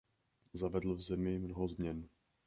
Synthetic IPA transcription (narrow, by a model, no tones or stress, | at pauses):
zavɛdl̩vzɛmɪmnoɦozmɲɛn